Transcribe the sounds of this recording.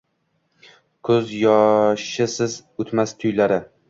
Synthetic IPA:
kʰɵzjɒʃɪsɪzʊt̪mast̪ʰʊjlaɾɪ

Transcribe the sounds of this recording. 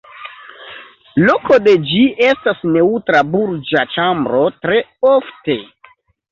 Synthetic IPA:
loko̞de̞d͡ʒie̞stasne̞utɾabuɾd͡ʒat͡ʃambɾo̞tɾe̞ofte̞

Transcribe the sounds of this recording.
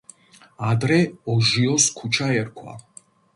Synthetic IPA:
ad̪ɾɛɔʒiɔskʰut͡ʃʰaɛɾkʰwa̰

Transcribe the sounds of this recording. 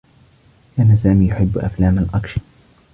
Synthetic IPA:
kaːnasaːmiːjʊħɪbːʔa̰flaːmalʔɑkʃɪ

